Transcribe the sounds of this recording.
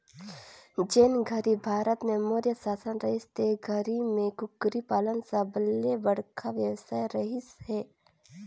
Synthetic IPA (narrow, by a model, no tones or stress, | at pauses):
d͡ʒenɡʱəɾibʱaːɾət̪mẽmoːɾjəsaːsənɾɐɦɪst̪eɡʱəɾimẽkʊkɾipaːlənsabəlebəɽ̤kʰaʋjəwsaːjɾəɦɪsɦɛː